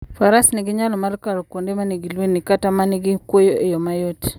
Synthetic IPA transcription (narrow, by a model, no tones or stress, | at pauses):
faɾasniɡiɲalɔmaɾkaɾɔkwondemaniɡilwenikatamaniɡikwojoʔejɔmajot